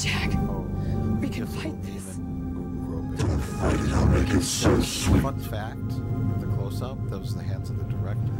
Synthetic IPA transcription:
æk̚ | wikʰɨ̃nfãɪ̃nðɪs | ãfãɪ̃ɾɨɾaʊmeɪkɨtsoʊswiʌ̃nfæk̚tɨðɨkʰl̥oʊsʌʊp̚ðət̚wʌzðɨɦæ̃ndzʌvðɨdə˞ɛk̚tə

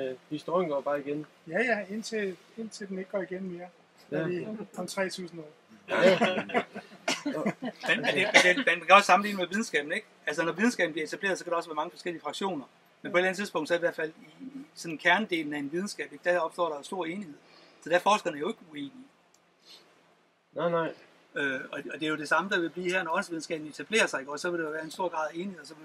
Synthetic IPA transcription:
hisd̥ojnŋɡ̥ɒːb̥ɑ̈ːiɡ̥en | jæjæe̝n̰t͡sʰe̝ | e̝n̰t͡sʰe̝ldene̝ɡ̥̚ɡ̥ɒːiɡ̥enme̝ːɐ | iɒmt͡sʰʁɛ̰ːt͡sʰṵːsn̩ɔ | menmend̥emend̥enmænmæŋkʰæɒ̽ssɑ̈mn̩lḭːnəmeʋið̞ˠn̩sɡ̥ɛ̰ːb̥̚n̩e̝ɡ̥ | ælsɐnɒʋið̞ˠn̩sɡ̥ɛ̰ːbn̩b̥iɐe̝t͡sʰæb̥le̝̰ːɐðˠsɒ̽kʰæɾɑ̈ɒ̽sʋæɐɑ̈ŋəfɒsɡ̥el̰iəfʁɑ̈ɡ̥ɕo̝̰ːnɐ | menpʰɒ̽e̝dlæn̩ət͡siðˠspɔ̽ŋd̥sɒ̽iʋæɐ̰fæl̰isɒ̽nnkʰæɐnd̥e̝̰ːln̩æenʋið̞ˠn̩sɡ̥ɛ̰ːb̥e̝ɡ̥̚d̥æɒ̽b̥sd̥ɒ̰ːɾɑjo̝sd̥o̝ɐ̰e̝ːnihe̝ð̞̰ˠsɒ̽d̥æɐfɒːsɡ̥ɐdenæɐjo̝e̝ɡ̥ueːni | n | øɒ̽ɒ̽d̥e̝æɐjo̝d̥e̝sɑ̈məd̥ɑʋe̝b̥lḭːhæɐnɒɒ̽nsʋiðˠn̩sɡ̥ɛ̰ːb̥n̩e̝t͡sʰæb̥le̝̰ːɐsɑ̈ɪeɡ̥ɒsɒ̽ʋe̝ld̥eoʋæːɐensd̥o̝ɐ̰ɡ̥ʁɑ̈ðˠe̝ːnihe̝ðˠɒsɒ̽ʋe

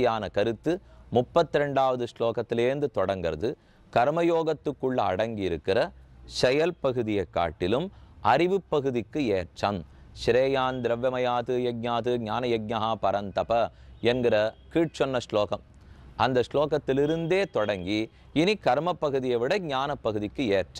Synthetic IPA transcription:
jaːnɐkɐɾɯt̪ːɯmʊpːɐt̪ːɪɾɛɳɖaːʋɐðɯʂloːkɐt̪ːɪleːnd̪ɯt̪ɔɽɐŋɡɪɾɐ̰ðɯ | kɐɾmɐjoːɣɐt̪ːɯkːɯɭːɐ̰ːɽɐŋɡiɪɾɯkːɪrɐʂɛjɐlpɐɣɯðɪjɐɪkːa̰ːʈːɪlɯmʔɐɾɪʋɯpːɐɣɯðɪkːɯeːʈʂɐmʃɪɾeːjaːnd̪ɪɾɐʋjɐmɐjaːt̪ɯjɛɡ̚ɲaːt̪ɯɲaːnɐjɛɡ̚ɲɐɦaːpɐɾɐnt̪ɐpɐɛnɡɪɾɐkiːʈ̚t͡ʃɔnːɐsɭoːkɐm | ʔɐnd̪ɐʂloːkɐt̪ːɪlɪɾɯnd̪eːt̪ɔɽɐŋɡi | ɪnikɐɾmɐpːɐɣɯðɪjɐʋɪɽɐɡɲaːnɐpːɐɣɯðɪkːɯeːʈt͡ʃːɐ

